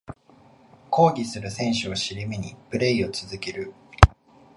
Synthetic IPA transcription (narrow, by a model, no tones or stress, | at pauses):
kʰo̞ːɡʲisɨɾɯ̟sẽ̞ɰ̃ɕɨoɕiɾʲimeɲ̟ipɯ̟ɾe̞io̞t͡sɨzɨkeɾɯ̟